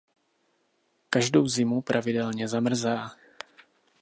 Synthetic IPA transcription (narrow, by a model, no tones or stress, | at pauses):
kaʒdo̞wzɪmupɾʔavɪdɛlɲɛzamr̩zaː